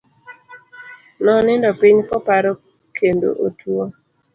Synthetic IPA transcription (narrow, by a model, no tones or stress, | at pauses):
nɔnɪndɔpiɲkɔpaɾɔ | kʰendo̰ʔotwo